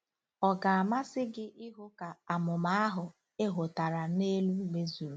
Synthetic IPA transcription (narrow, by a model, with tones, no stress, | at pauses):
ɔ˨ɡa˨a˨ma˦sɪ˦ɡɪ˦ʔɪ˦ɦʊ˦ka˨a˨mʊ˨ma˦a˦ɦʊ˨ | e˦ɦʊ˨ta˨ɾa˨ne˦lu˦me˦zu˨ɾu˨